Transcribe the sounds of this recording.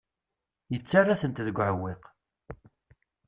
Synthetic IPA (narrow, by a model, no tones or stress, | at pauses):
jət͡sːarˤːaθənt̪ðəɡʷʕəwːiq